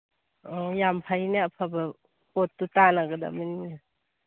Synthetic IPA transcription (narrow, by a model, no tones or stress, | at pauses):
ɔjampʰajneapʰaba | potːutanaɡɯda̰minina